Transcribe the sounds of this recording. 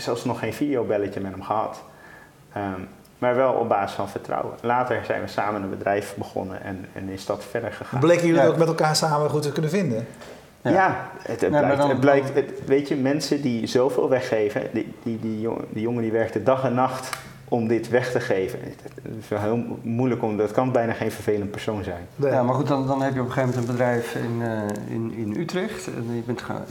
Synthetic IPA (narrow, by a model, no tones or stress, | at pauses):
sɛlˠfsnɔχːejnfidijowbɛləcəmɛtɦəmχəɦɑ̰t | ə | maːɹʋɛlˠɔ̰b̚baːzɪsfɑnfəɹtrɑ̰wə̰laːtəɹz̥ɛ̰jnʋəsaːmənənbədrɛjfbəχɔ̰nə̰ɛ̰nɛ̰nɪsdɑtfɛɹdəɹχəχaːblɛjkəjyətokmɛtɛlˠkaːɹsaːməχutəkɵnəvɪndə | jaətəblɛjk̚tətʋejtjəmɛnsədizowvɪ̰ːlˠʋɛχːejvə̰ndididḭdijoŋədiʋɛɹk̚tədɑχɛnːɑχt | ʔɔmdɪtʋɛχtəχejvə̰nɪsʋɛlˠɦɪːlˠmujləkɔmdɑtkɑnbɛjnaːχejnvəɹvejlənt̚pɛɹsownzɛjnjamaɹχutdɑndɑnɦɛpjəɔpəχejvmɛntənbədrɛjfɪnɪ̰nɪnytrɛχtjəbɛnt